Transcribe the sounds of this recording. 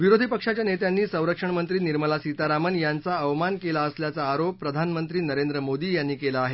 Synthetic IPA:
ʋiɾod̪ʱipəkʂat͡ɕjanet̪janːiːsə̃w̃ɾəkʂəɳmənt̪ɾiːniɾməlasit̪aɾamənjant͡saəʋmankelaəsljat͡saːɾopːɾəd̪ʱanmənt̪ɾiːnəɾend̪ɾəmod̪iːjanːiːkelaːɦe

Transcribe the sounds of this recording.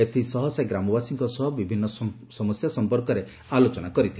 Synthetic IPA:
et̪ʰisɔɦɔsjaɡɾamɔbasiŋkɔsɔɦɔbibʱinːɔ | sɔmɔsjasɔmpɔɾkɔɾe | alot͡ʃɔnakɔɾit̪ʰil

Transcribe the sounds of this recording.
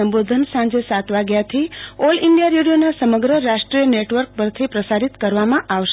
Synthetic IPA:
əmbod̪ʱənsãɲd͡ʒesat̪ʋaɡjat̪ʰioliɳɖijaɾjuɽjonasəməɡɾəɾaʂʈɾijəneʈʋəɾk̚pəɾt̪ʰipɾəsaɾit̪kəɾʋamãʔaʋʃe

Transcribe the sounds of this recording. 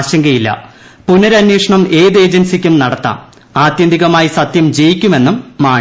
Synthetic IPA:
ɕɐŋɡɐjilːɐ̰ | punːɐɾɐnjeːʂɐɳɐme̞ːðe̞ːd͡ʑɐnsikʲːumnɐɽɐt̪ːa̰ːm | aːt̪jɐnd̪ʱiɣɐmaːjisɐt̪jɐmd͡ʑejikʲːume̞nːumːaː

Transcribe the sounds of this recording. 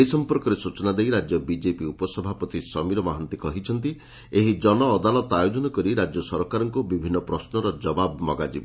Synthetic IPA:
eisɔmpɔɾkɔɾesut͡ʃɔnad̪ejɾad͡ʒjɔbid͡ʒepiupɔsɔbʱapɔt̪isɔmiɾɔmaɦɔnt̪ikɔɦit͡ʃʰɔnt̪i | eɦid͡ʒɔnɔːd̪alɔt̪ɔajod͡ʒɔnɔkɔɾiɾad͡ʒjɔsɔɾkaɾɔŋkubibʱinːɔpɾɔsnɔɾɔd͡ʒɔbabɔmɔɡad͡ʒḭbɔ

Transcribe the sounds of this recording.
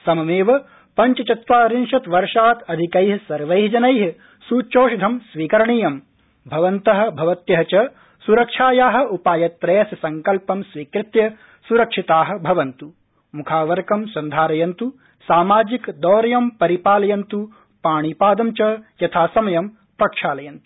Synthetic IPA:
sɐmɐmeːʋɐ | pɐɲt͡ʃɐt͡ʃɐt̪ʋaːɾinʃɐt̪ʋɐɾʂaːt̪ɐd̪ʱikɐjɦɐsɐɾʋɐjɦd͡ʒɐnɐjɦ | suːt͡ʃoːʃɐd̪ʱɐmsʋiːkɐɾɐɳijɐm | bʱɐʋɐnt̪ɐɦɐ̆bʱɐʋɐt̪jɐɦɐt͡ʃɐ | suɾɐkʂaːjaːɦɐ̆upaːjɐt̪ːɾɐjɐsɐsɐŋkɐlpɐmsʋiːkɾɪt̪jɐ | suɾɐkʂit̪aːɦɐ̆bʱɐʋɐnt̪u | mukʰaːʋɐɾkɐmsɐnd̪ʱaːɾɐjɐnt̪u | saːmaːd͡ʒikd̪ɔːɾɐjɐmpɐɾipaːlɐjɐnt̪u | paːɳ̃ipaːd̪ɐmt͡ʃɐjɐt̪ʰaːsɐmɐjɐm | pɾɐkʂaːlɐjɐnt̪u̥

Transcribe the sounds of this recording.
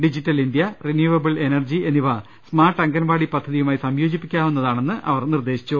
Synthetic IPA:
ɖid͡ʑitːɐlind̪jɐrinjuːʋɐbɐɭe̞nɐrd͡ʑienːiʋɐ | smaːrʈːɐŋɡɐnbaːɽipɐd̪ʱːɐðijumaːjisɐmjo̞ːd͡ʑipːikʲːaːmunːɐðaːɳe̞nːɨʔɐ̰ʋɐrnird̪e̞ːɕi̥t͡ɕːu

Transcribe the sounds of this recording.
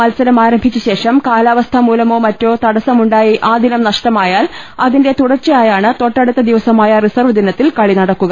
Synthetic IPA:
ɐlsɐɾɐmaːɾɐmbʱit͡ɕːuɕe̞ːʂɐmkaːlaːʋɐst̪ʰɐmuːlɐmo̞ːmɐtːo̞ːt̪ɐɽɐsɐmuɳɖaːjiʔaːd̪inɐmnɐʂʈɐmaːjaːlɐðinde̞t̪uɽɐrt͡ɕɐjaːjaːɳɨt̪o̞ʈːɐɽut̪ːɐd̪iʋɐsɐmaːjɐrisɐrʋɐd̪inɐt̪ːilkɐɭinɐɽɐkːuɣɐ

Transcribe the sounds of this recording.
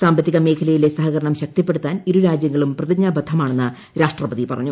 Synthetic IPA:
saːmbɐt̪ːiɣɐme̞ːkʰɐlɐjile̞sɐɦɐɣɐɾɐɳɐmɕɐk̚t̪ipːeɽut̪ːaːniɾuɾaːd͡ʑjɐŋːɐɭumprɐðiɲːaːbɐd̪ʰʱɐmaːɳe̞nːɨ | ɾaːʂʈrɐpɐðipɐrɐ̰ɲːu

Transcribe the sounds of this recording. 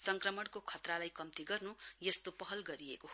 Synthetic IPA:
sʌŋkrʌmʌɽkokʰʌt̪ralajkʌmt̪iɡʌrnujʌst̪opʌɦʌlɡʌɾiḛko

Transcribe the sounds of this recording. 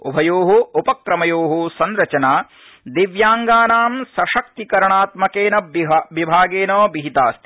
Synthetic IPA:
ṵbʱɐjoːɦuupɐkɾɐmɐjoːɦusɐnɾɐt͡ʃɐnaː | d̪eʋjaːŋɡaːnaːmsɐʃɐk̚t̪ikɐɾɐɳaːt̪mɐkeːnɐʋibʱaːɡeːnoːbiɦit̪aːst̪i̥

